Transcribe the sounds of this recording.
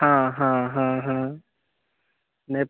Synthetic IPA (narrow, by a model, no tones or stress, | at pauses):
ɦãɦãɦãɦã | ne